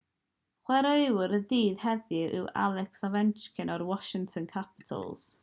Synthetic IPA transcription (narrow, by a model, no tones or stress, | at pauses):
χwɛɾewɾədiːð̥hɛðɨʔɪ̰wa̰lˠɛksɔvɛnt͡ʃkʰɪnɔrwɔʃɪŋtʰɔnkʰapɪ̥tʰə̰lˠz̥